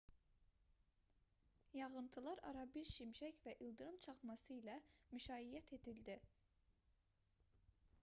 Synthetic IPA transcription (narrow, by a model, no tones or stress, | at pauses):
jɑʁɯnt̪ʰɯlˠɑɾɑ̰ɾɑbiɾʃimʃæcvæʔilˠd̪ɯɾɯmt͡ʃʰɑχmɑsɯilæmyʃɑːijæt̪ʰe̞d̪ild̪i